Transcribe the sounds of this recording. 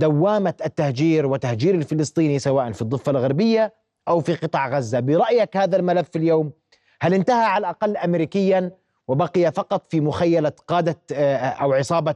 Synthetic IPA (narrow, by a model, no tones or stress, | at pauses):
d̪awːaːmaat̪ːahd͡ʒiːɾwɪt̪ahd͡ʒiːɾalfɪlɨsˤt̪ˤiːnisawaːʔanfid̪ˤːɨfːalɣaɾˤbɪjːa | ʔawfiqɨt̪ˤɑʕɣazːabɪɾˤɑʔjakhaːðalmalafːɪljoːm | halʔɪnt̪ahaʕalaʔɑqɑlːʔamɾiːkɪjːan | wɪbaqɪjafɑqɑt̪ˤfimʊxajːalaqɑːd̪aʔawʕɪsˤɑːbɑ